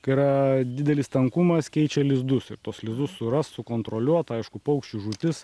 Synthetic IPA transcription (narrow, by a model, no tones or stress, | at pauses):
kɐiɾɐd̪ʲɪd̪ʲɛlʲɪst̪ɐŋkumɐskʲɛɪt͡ʃʲɛlʲɪzd̪ʊsɪɾt̪uɔslʲɪzd̪ʊssʊɾɐssʊkoːnt̪ɾoːlʲuɔt̪ɐɪʃkʊpɐʊkʃʲt͡ʃʲuʒuːt̪ʲɪs